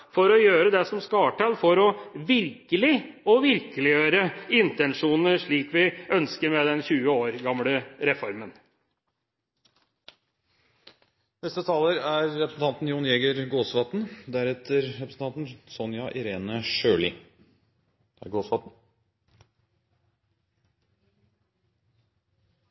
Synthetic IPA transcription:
fɔɾɔjøːɾəd̪ɛsɔmskɑːʈɑlfɔɾɔʋɪɾkəlɪɔʋɪɾkəlɪjøːɾəɪnt̪ɛnʂuːnəʂɭiːkʋɪœnskəɾmɛd̪ɛnçʉːəoːɾɡɑmləɾɛfɔɾmən | nɛst̪ət̪ʰɑːləɾæɾːɛpɾəsn̩t̪ʰɑnt̪n̩juːnjeːɡəɾɡoːsʋɑt̪nd̪æɾɛt̪əɾɾɛpɾəsn̩t̪ɑnt̪n̩sɔnjɑʔɪɾeːnəʃøːɭɪ | æ̰ɡoːsʋɑt̪n̩

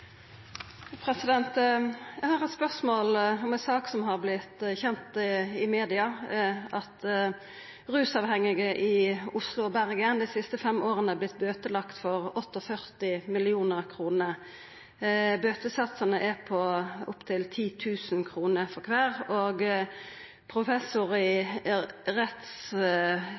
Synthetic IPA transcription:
pʰɾɛsɪd̪ɛnt̪jæhɑːʁɛt̪spœʁsmoːlɔmɛnsɑːksɔmɦɑʁblɪt̪çɛnt̪ɪmeːd̪ɪɑʔɑt̪ | ʁʉːsɑʋhɛŋːɪɡəʔɪʊslʊɔbæʁɡɪənd̪ɛɪsɪst̪əfɛmːʔoːʁənəæblɪt̪̚ːbøːt̪əlɑkt̪fɔʁɔt̪ːɔfœʁt̪ɪmɪlɪuːnəʁkʰʁuːnə | bøːt̪əsɑt̪sɑnəʔɛpʰɔʊpt̪ʰɪlt̪ʰiːt̪ʰʉːsənkʰʁuːnəfɔɾkʰʋæːʁoːɡ | pʰɾʊfɛsʊʁɪ | ʁɛt̪s

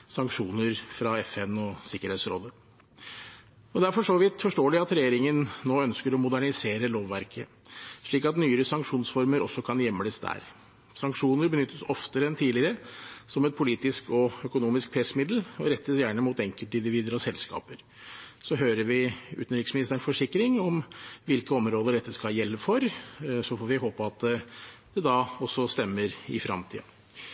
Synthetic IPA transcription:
sɑŋkʂuːnəɾfɾɑɛfɛnɔsɪkːəɾheːt̪sɾɔ̰lːə | ɔd̪ɛæɾfɔʂoːʋiːt̪fɔʂʈoːlɪɑt̪ɾɛjeːɾɪŋənnoːœnskəɾɔmʊd̪æɳɪseːɾəloːʋːæɾkʰə | ʂɭiːkɑt̪nyːəɾəsɑŋkʂuːnsfɔɾməɾɔ̰sːɔkʰɑnjɛmːələsd̪æ̰ːɾ | sɑŋkʂuːnəɾbənʏt̪ːəsɔft̪əɾəɛnt̪ʰiːlɪɾəsɔmɛt̪̚pʰʊliːt̪ɪskɔœkʊnuːmɪsk̚pʰɾɛsəmɪd̪l̩ɔɾɛt̪ːəsjæːɳəmuːt̪ɛŋkəlt̪əɪnd̪ɪʋiːd̪əɾɔsɛlskɑ̰ːpəɾ | sɔɦøːɾəɾʋɪʉ̰ːt̪n̩ɾɪksmɪnɪst̪əɾnfɔʂɪkːɾɪŋɔmʋɪlkəɔmɾoːd̪əɖɛt̪ːəskɑljɛlːəfɔɾsɔfoːɾʋɪɦoːpəɑt̪d̪̥ɛd̪ɑɔsːɔst̪ɛmːəɾɪ̰fɾɑ̰mt̪ʰḭːɑ̰

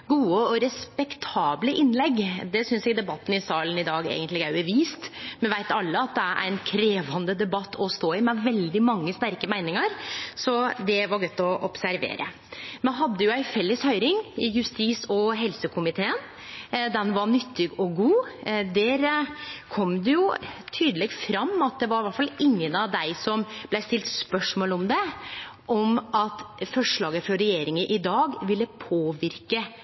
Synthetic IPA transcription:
ɡuːəɔɾɛspɛkt̪ʰɑːbləʔɪnlɛɡːd̪ɛsʏnsjɛːɡd̪ɛbɑt̪ːn̩ɪsɑːlənɪd̪ɑːɡḛːɡənlɪɡæɾʉbəɾʋiːst̪mɛnʋæɪt̪ɑlːəɑt̪̚d̪ɛæɾʔæ̰ɾnkʰɾeːʋɑnd̪əd̪ɛbɑt̪ːʰɔst̪oːɪmɛʋɛld̪ɪmɑŋːəst̪æɾkəmæɪnɪŋəɾsɔd̪ɛʋɑɾɡœt̪ːɔʔɔpsæɾʋḛːɾə̰ | mɛɦɑd̪ːəjʊæɪfɛlːəshœʏɾɪŋɪjʉst̪iːsɔɦɛlsəkʰʊmɪt̪ʰeːən | d̪ɛnʋɑɳʏt̪ːɪɡɔɡuːd̪æɾkʰɔmd̪ɛjʊt̪ʰyːd̪əlɛɡfɾɑmːɑt̪̚d̪ɛʋɑɾʋæʈfɑlːɪŋːənɑʋd̪æɪsɔmb̥læɪst̪ɪlt̪spœʂmoːlɔmd̪ɛʔɔmʔɑt̪fɔʂɭɑːɡəfɾɔɾɛjeːɾɪŋəʔɪd̪ɑːɡʋɪlːəpʰoːʋɪɾkə

